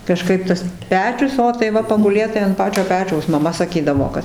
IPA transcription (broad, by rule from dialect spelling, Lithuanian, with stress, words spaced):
kɐˈʃkɐɪp tɐs ˈpʲæːt͡ʃʲʊs ˈoː tɐɪ ˈʋɐ pɐɡʊˈlʲeːt tɐɪ ɐnt ˈpɑːt͡ʃʲoː ˈpʲæːt͡ʃʲɛʊs mɐˈmɐ sɐˈkʲiːdɐʋoː ˈkɐt